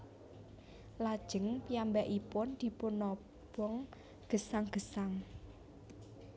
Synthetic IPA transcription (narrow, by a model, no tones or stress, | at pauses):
lad̥ʒ̥ə̤ŋpijambɛʔipʊnd̪̥i̤punɔ | b̥ɔŋ | ɡ̥ə̤saŋɡ̥ə̤saŋ